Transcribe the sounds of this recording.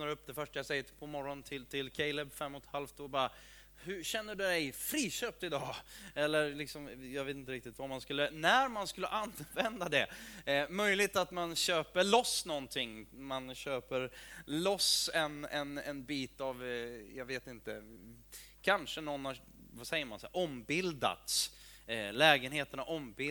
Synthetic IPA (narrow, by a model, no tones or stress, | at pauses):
naɾɵpːd̪ɛfœʂʈajasɛjːət̪pʰɔmɔɾːɔnt̪ʰɪlt̪ʰɪlkʰɛɪlɛbfɛmːɔt̪halft̪ɔbɑɾa | hɵɕɛnːəɖɵd̪ɛjfɾiːɕøːp̚t̪ɪd̪ɑːɛlːəɾlɪksɔmjɑɡveːt̪ɪnt̪əɾɪk̚t̪ɪt̪vamanskɵlːənæɾmanskɵlːəʔanvɛnd̪ad̪ɛmœjlɪɡ̚t̪at̪manɕøːpəɭɔsnɔnt̪ʰɪŋːmanɕøːpəɾlɔsɛnɛnɛnbiːt̪avjɑɡveːt̪ɪnt̪ə | kʰanʂənɔnha | vasɛjːəɾmansɛ̰ʔɔmbɪld̪a̰t̪s | lɛːɡənɦeːt̪əɳaʔɔmbɪ